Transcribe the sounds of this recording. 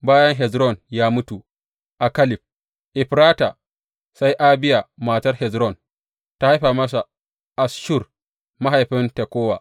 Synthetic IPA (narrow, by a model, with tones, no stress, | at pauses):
baː˦jɐ˦ŋɦɛ˨zɾɔ˦˨njaː˦mʊ˦tu˨ | ʔa˨kɐ˦lɪ˨ɸ̚ | ʔɪ˨ɸɾaː˦ta˨ | sa˦jʔa˦bɪ˦ja˨maː˨tɐ˦rhɛ˨zɾɔ˦˨n | ta˦ha˦jɸaː˨mɐ˦s̬a˨ | ʔa˨sʃʊ˦˨r | ma˦ɦa˨jɸɪ˦nte˨kʷoː˦wa̰ː˨